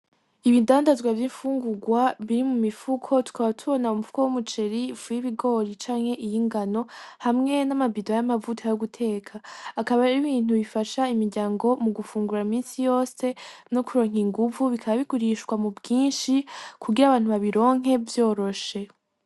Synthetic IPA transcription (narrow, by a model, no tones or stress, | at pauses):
iβidaːndazɡwavjiɱfuːŋɡuɡwaβiɾimumifukʰo̞tu̥kaβatʰuβo̞naumufu̥kowumut͡ʃe̞ɾivujiβiɡo̞ɾit͡ʃaːŋ̥he̞ʔijiŋɡano̞hamŋe̞namabidojamavutʰajoɡutʰe̞ːkʰaːkaβaɾiβiːn̥uβifaʃaimiɾɟaːŋɡo̞muɡufuːŋɡuɾaimiːnsijo̞ːse̞no̞kuɾo̞ːŋɦiŋɡuvuβikʰaβaβikuɾiʃwamubɡiːnʃikʰuɡiɾaβaːn̥uβaβiɾo̞ːŋ̥ɦe̞vjo̞ːɾo̞ʃe̞